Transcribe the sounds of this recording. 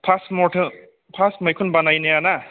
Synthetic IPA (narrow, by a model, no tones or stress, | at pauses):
pʰasmɔtʰɯ | pʰasmajkʰunbanajnejana